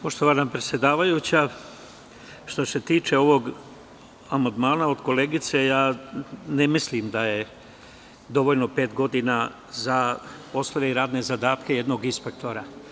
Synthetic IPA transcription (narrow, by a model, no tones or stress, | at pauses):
po̞ʃt̪oʋanapɾe̞tsʲje̞d̪aːʋajut͡ɕa | ʃt̪o̞se̞t̪iːt͡ʃe̞o̞ʋo̞ɡ | amand̪maːnao̞d̪ko̞leːɡit̪se̞jaːnemislimd̪aje | d̪o̞ʋoʎno̞pe̞ːt̪ɡo̞d̪ina | zapo̞slˠoʋe̞iɾaːd̪ne̞zad̪aːt̪keje̞d̪no̞ɡinspek̚t̪o̞ɾa